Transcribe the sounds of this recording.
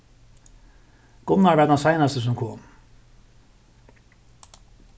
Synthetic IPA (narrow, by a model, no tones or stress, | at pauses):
ɡ̥ʊnaɹvɛd̪ɛnsajnast̪əs̬ʊmkʰoːm